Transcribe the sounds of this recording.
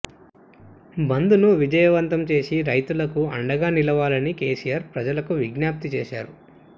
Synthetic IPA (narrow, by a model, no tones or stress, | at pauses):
bɐnd̪unuʋid͡ʒɐjɐʋɐnt̪ɐmt͡ʃe̞ːsiɾɐjt̪ulɐkuɐɳɖɐɡaːnilɐʋaːlɐnike̞ːsijaːɾpɾɐd͡ʒɐlɐkuʋiɡnjaːp̚t̪it͡ʃeːʃaːɾu